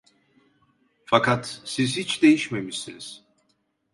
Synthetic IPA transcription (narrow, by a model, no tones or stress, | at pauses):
fakat̪sizhit͡ʃd̪e̞jiʃmemiʃsiniz̥